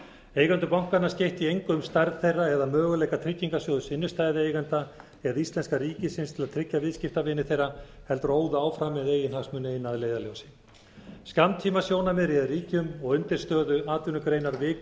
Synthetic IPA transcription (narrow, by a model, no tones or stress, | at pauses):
ejɣant̪ʏpawŋ̥kanascejht̪iejŋkʏmst̪aɾðθejraɛðamœːɣʏlɛjkat̪ʰɾɪcːiŋkasjowðʏsɪnːʏst̪ajðɪeːjɣant̪a | ɛðaist̪lɛnskaɾiːcɪsɪnst̪ʰɪlaðt̪ʰɾɪcːavɪðscɪft̪avɪːnɪθejrahɛlt̪ɾoːwðʏaːwfɾamːɛðejɪnhaɣsmʏnejnaðleːjðaljowsɪ̥ | scant̪ʰiːmasjoːwnamɛðɾjɛðriːcʏmɔɣʏnt̪ɪɾ̥st̪œːðʏaːt̪vʏnʏkɾeːjnaɾvɪːk